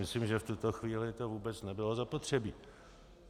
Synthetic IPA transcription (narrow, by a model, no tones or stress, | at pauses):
ɪslimʒɛft̪ut̪o̞xviːlɪt̪o̞vuːbɛt͡snɛbɪlo̞zapot̪r̝̥ɛbiː